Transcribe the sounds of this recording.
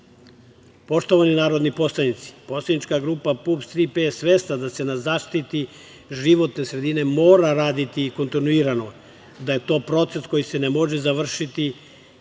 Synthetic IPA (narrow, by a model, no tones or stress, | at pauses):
po̞ʃt̪o̞ʋaninaːɾo̞d̪nipo̞slanit̪si̥po̞slˠanit͡ʃkaɡɾuːpapupst̪ɾipesʋest̪ad̪ase̞nazaːʃt̪it̪i | ʒiʋo̞t̪ne̞sɾe̞d̪ine̞mo̞ːɾaɾaːd̪it̪iːko̞nt̪inuiɾano̞ | d̪aje̞t̪o̞ːpɾo̞t̪se̞sko̞jise̞nemo̞ʒe̞zaʋr̩ʃit̪i